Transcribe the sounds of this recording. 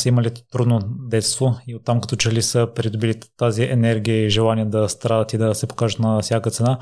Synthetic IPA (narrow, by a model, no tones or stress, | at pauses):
səiməlit̪ɾud̪nod̪ɛt̪st̪voiot̪ːamkɐt̪ɔt͡ʃɛlisəpɾid̪ʊbilit̪aziɛnɛɾɡʲijəiʒɛlˠaniəd̪ɐst̪ɾad̪ət̪id̪ɐsɛpo̥kaʒət̪nɐfsʲjakət̪sɛna